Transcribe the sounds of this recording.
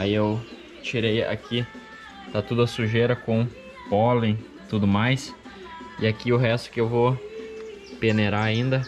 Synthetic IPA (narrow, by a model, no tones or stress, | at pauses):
aiew | t͡ʃiɾeja̰kʰi | t̪at̪ud̪ʊɐsuʒeɾɐkõ | pɔlẽ | t̪ud̪ʊmajs | ɪakiʊɦɛst̪ʊ̥kɪewvo | peneɾaaĩnd̪ɐ